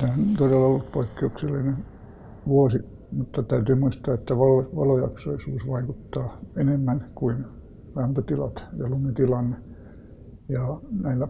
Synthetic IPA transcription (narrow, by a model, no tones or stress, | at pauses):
neænt̪odelːɑolːut̪poikːeukselːinen | ʋuosi | mut̪ːɑt̪æyt̪yːmuist̪ɑːet̪ːæʋɑloʋɑ̰lojɑksoisuːsʋɑikut̪ːɑːenemːænkuin | læmpøt̪ilɑ̰t̪jɑlumet̪ilɑnːe | jɑnæilːæ